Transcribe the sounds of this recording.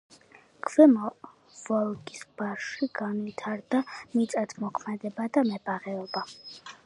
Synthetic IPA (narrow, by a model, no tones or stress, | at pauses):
kʰvɛmɔ | vɔlˠɡʼisb̥aʃiɡanvit̪ʰaɾd̪amit̪sʼat̪ʰmɔkʰmɛd̪ɛbad̪amɛbaʁɛɔba